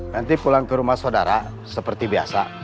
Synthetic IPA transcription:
nant̪ipulaŋkəɾumahsodaɾa | səpərt̪ibia̰sa

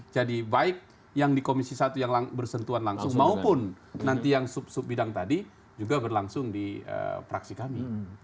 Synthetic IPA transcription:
d͡ʒadibaɪk̚ | jaŋdikomisisat̪ujaŋlaŋbərsənt̪uanlaŋsʊŋmaupʊnː | ant̪ijaŋsʊp̚sʊp̚bidaŋt̪adi | d͡ʒuɡabərlaŋsʊŋdiə̰pɾaksikami

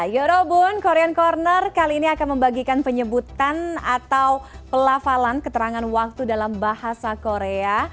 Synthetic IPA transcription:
joɾobunkoɾeankɔrnərkaliːniakanməmbaɡikanpəɲəbut̪anat̪awpəlafalankət̪əɾaŋanwak̚t̪udalambahasakoɾea

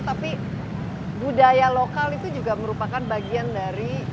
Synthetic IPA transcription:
t̪api | budajalokalit̪ud͡ʒuɡaməɾupakanbaɡiandaɾi

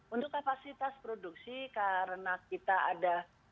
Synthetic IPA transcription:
unt̪ʊkːapasit̪aspɾoduk̚sikaɾənakit̪aada

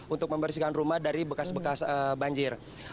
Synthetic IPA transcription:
unt̪ʊk̚məmbərsikanrumahdaɾibəkasbəkasəbaɲd͡ʒɪr

